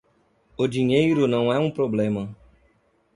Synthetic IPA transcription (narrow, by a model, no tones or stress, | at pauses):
odiɲeiɾonãw̃aũpɾoblɛmã